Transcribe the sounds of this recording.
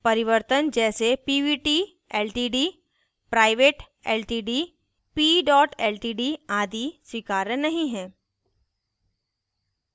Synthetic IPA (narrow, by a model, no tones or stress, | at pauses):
pɐɾɪʋəɾt̪ənd͡ʒɛːsepiːʋiːʈiː | ɛːlʈiːɖiː | pɾaːɪʋeːʈ | ɛːlʈiːɖiː | piːɖɔːʈɛːlʈiːɖiaːd̪iːswɪkaːɾənɐɦĩɦɛ̃ː